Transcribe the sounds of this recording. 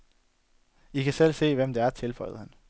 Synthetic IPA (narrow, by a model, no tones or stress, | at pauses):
ikʰæsel̰se̝̰ːʋem̰d̥eæɐt͡sʰe̝lfɒ̽ɪð̩ˠhæn